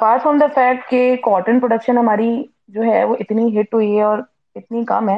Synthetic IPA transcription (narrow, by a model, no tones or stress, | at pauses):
paːsɦoːnd̪ɐfɛːk̚ʈ̚kekɔːʈənpɾoɖəkʃənɦɐmaːɾi | d͡ʒoːɦɛ̰ʋoːʔɪt̪niɦɪʈɦʊiɦɛɔːɾ | ɪt̪nikɐ̰mɦɛː